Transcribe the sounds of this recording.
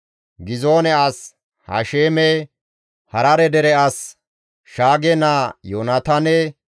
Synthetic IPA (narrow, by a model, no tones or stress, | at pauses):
ɡɪzoːnɛas | hɐ̰ʃeːmɛ | hɐɾɐɾɛd̪ɛɾɛas | ʃaːɡɛnaːjoːnɐt̪ɐnɛ